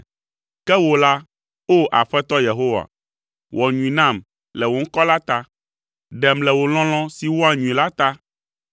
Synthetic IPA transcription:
kɛ˦wo˨la˦ | o˦ʔa˨ɸɛ˦t̪ɔ˦je˨ɦo˦wa̰˨ | wʔɔ˨ɲũ˨ĩ˨nã˦˨m | lɛ˨wo˨˦ŋ̩˦kɔ˦la˦t̪a˦ | ɖɛ˨mlɛ˨wo˨l̃ɔ̃˦l̃ɔ̃˦si˨wo˦a˨ɲũ˨ĩ˨la˦t̪a˦

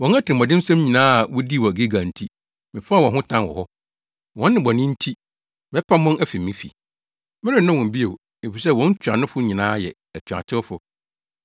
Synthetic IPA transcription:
wɔ̃˨na˦tʰɪ˨ɪ̃˨mɔ̃˨dɪ˦n̩˦sã˦mɲĩ˨nãː˦a˨wɔ˦di˦˨wɔ˨ɡe˦ɡã˨n̩˨tʰi˦ | mɪ̃˨fʊ˦a˦˨wɔ̃˨ɦʊ̃˦tʰã˦nwɔ̰˨hɔ˦ | wɔ̃˦nːɪ̃˨bɔ˨nɪ̃˦n̩˦tʰi˦ | mɛ˦pʰa˦mʊ̃˦næ˦fi˨mːɪ̃˦fḭ˨ | mɪ̃˦ɾɪ̃˦˨nʊ̃˦wɔ̃˨m˨bi˦e˨ | e˨fi˨s̬ɛ˦˨wɔ̃˨˦n̩˦t͡ɕʰᶣa˨nʊ̃˦fʊ˦ɲĩ˨nãː˦jɛ˨ | ɛ˨t͡ɕʰᶣa̰˨tʰɪ˦ɔ˦fʊ˦

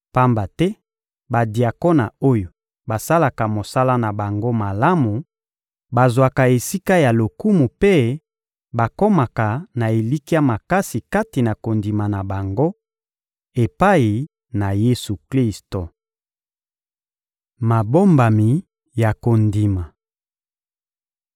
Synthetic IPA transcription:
pa˦mba˨tɛ˦ | ba˨di˨a˨ko˦na˨o˦jo˨ | ba˨sa˦la˨ka˨mo˨sa˦la˦na˨ba˨ŋɡo˦ma˨la˦mu˨ | ba˨zwa˨ka˨e˨si˦ka˦ja˨lo˨ku˦mu˨pe˦ | ba˨ko˦ma˨ka˨na˨e˨li˦ki˦ja˦ma˨ka˦si˨ka˦ti˨na˨ko˨ndi˨ma˨na˨ba˨ŋɡo˦ | e˨pa˦i˨ | na˨je˦su˨kli˦sto˨ | ma˨bo˦mba˨mi˨ | ja˨ko˨ndi˨ma˨

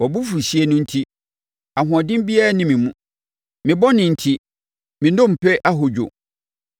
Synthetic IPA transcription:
wɔ˨bu˦fu˨ɕi˦e˨nʊ̃˦n̩˦tʰi˦ | a˨ɦʊ̃˨a˨dɪ̃˦m˦bi˦a˦nɪ̃˨mɪ̃˨mũ˦ | mɪ̃˨bɔ˦nɪ̃˨n̩˨tʰi˦ | mɪ̃˨nõ˦m̩˨pʰɛ˦ʔa˦ɦo˨d͡ʑᶣo̰˨

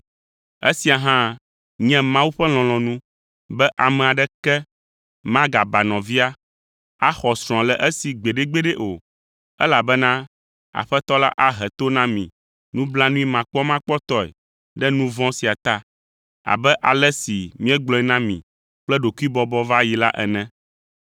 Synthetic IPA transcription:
ɛ̰˦si˨a˨ɦã˦ | ɲɛ̃˦mã˦wu˦ɸɛ˦l̃ɔ̃˨lɔ̃˨nũ˦ | bɛ˦ʔa˨mɛ̃˨a˨ɖɛ˦kɛ˦ | mã˦ɡa˨ba˨nɔ̃˨vi˦a˦ | a˦xɔ˨sɾ̃ɔ̃˨a˨lɛ˨ʔɛ˦si˨ɡ͡be˨ɖe˦ɡ͡be˦ɖɛ˦ʔo˨ | ɛ˦la˨bɛ˦nã˦ | a̰˨ɸɛ˦t̪ɔ˦la̰˦ʔa˨ɦɛ˨t̪o˦nã˦mḭ̃˨ | nũ˦bla˦nũ˦i˦mã˨k͡pɔ˦mã˦k͡pɔ˦t̪ɔ˦ɛ̰˨ | ɖɛ˦nũ˦vɔ̃˦si˨a˨t̪a˦ | a̰˨bɛ˦ʔa˨lɛ˦si˨mĩ˦ɛ̃˦ɡ͡blɔ̃˦i˦nã˦mḭ̃˨ | k͡plɛ˦ɖo˨ku˦i˦bɔ˦bɔ˦va˦ji˨la˦ʔɛ̰˨nɛ̃˦

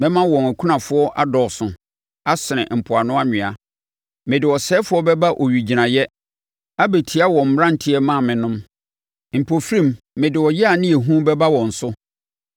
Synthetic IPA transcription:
mɛ̃˦mã˦wɔ̃˨næ˨kʰu˦nã˨fʊ˦ɔ˦ʔa˦dɔ˨sʊ̃˨ | a˦sɪ˨nɪ̰̃˨m̩˨pʰʊ˨a˨nʊ̃˦a˦ɲᶣɪ̃˨a˨ | mɪ̃˨dɪ˨wɔ˨sɛː˦fʊ˦ɔ˦bɛ˦ba˦ʔɔ˨ɥi˨d͡ʑi˨nã˨jɛ˦ | a˦be˨tʰi˨˦a˦wɔ̃˨m̩˨m˦ã˦n̩˨tʰɪ˦ɛ˦mã˦˨mɪ̃˨nʊ̃˦m | m̩˨pʰo˨fɾĩ˦˨mː | ɪ̃˨dɪ˨wɔ˨jɛ˦a˨nɪ̃˦e˨ɦũ˦bɛ˦ba˦wɔ̃˨n̩˨sʊ˦

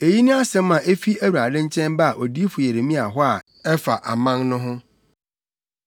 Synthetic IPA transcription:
e˨ji˦nʊ̃˦a˦sɛ̃˦mã˨ʔe˦fi˦æ˦wu˨ɾa˨dɪ̃˦ɲ̩˦t͡ɕʰɛ̃˦nba˦a˨ʔo˨di˦fʊ˨je˨ɾe˨mĩ˦a˨ɦɔ˦a˨ | ɛ˦fa˨ʔa̰˨mã˦ŋnʊ̃˦ɦʊ̃˦

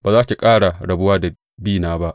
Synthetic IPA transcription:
baː˨zaː˦kʲi˨kʼaː˦ɽa˨ɽɐ˨bʊ˦waː˦da˨ | biː˦˨naː˦ba˦ʔ

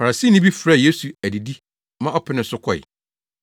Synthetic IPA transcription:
fa˨ɾa˨siː˦nɪ̃˦bi˦fɾa˦˨je˦su˨æ˨di˨di˦ | mã˦ʔɔ˦pʰɪ˨˦nɪ̃˨n̩˦sʊ˦kʰɔ˨ɪ̰˨

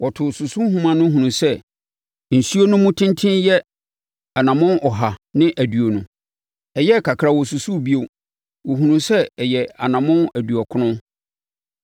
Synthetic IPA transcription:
wɔ˨tʰʊ˨sʊ˨su˦ɦũ˦mã˨nʊ̃˦ɦũ˨nũ˨sɛ˦ | n̩˨su˦o˦nũ˦mũ˦tʰɪ̃˦ntʰɪ̃˦njɛ˦ | a˨nã˨mʊ̃˦nɔ˨ɦa˨nɪ̃˦ʔæ˨du˨o˨nũ˨ | ɛ˨jɛ˦˨kʰa˨kʰɾa˨wɔ˨su˨su˦˨bi˦o˦ | wɔ˨ɦũ˨nũ˨sɛ˦ɛ˨jɛ˨a˨nã˨mʊ̃˦næ˨du˨ɔ˨kʰʊ˦nʊ̃˦

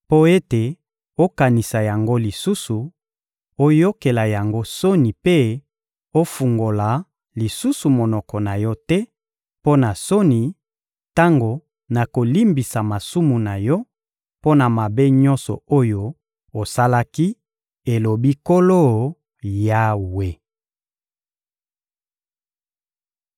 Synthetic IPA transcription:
po˦e˦te˨ | o˦ka˨ni˨sa˨ja˨ŋɡo˦li˨su˦su˨ | o˦jo˦ke˨la˨ja˨ŋɡo˦so˦ni˨pe˦ | o˦fu˨ŋɡo˨la˨ | li˨su˦su˨mo˨nɔ˨kɔ˨na˨jɔ˦tɛ˦ | po˦na˨so˦ni˨ | ta˦ŋɡo˨ | na˨ko˨li˦mbi˨sa˨ma˨su˦mu˨na˨jɔ˦ | po˦na˨ma˨be˦ɲɔ˦nsɔ̰˨o˦jo˦ | o˨sa˦la˦ki˦ | e˨lo˨bi˦ko˦lo˦˨ | ja˦we˦

